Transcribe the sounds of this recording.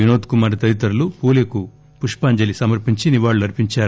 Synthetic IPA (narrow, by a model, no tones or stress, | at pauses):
unoːt̪kumaːɾit̪ɐɾit̪ɐɾulupuːleku | puʂpaːɲd͡ʒɐlisɐmɐɾpiɲt͡ʃiniʋaːɭːuɐɾpiɲt͡ʃaːɾ